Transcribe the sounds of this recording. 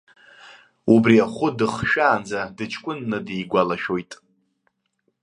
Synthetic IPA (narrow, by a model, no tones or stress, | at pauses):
ubriaχʷʊdɨχʃᶣaːnd͡zadɨt͡ʃʰkʷʼʊnːɨdejɡʷalaʃᶣo̞jtʼ